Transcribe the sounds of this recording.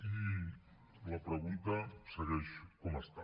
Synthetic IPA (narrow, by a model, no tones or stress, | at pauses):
i | lapɾəɣunt̪asəɣɛʃkoməst̪a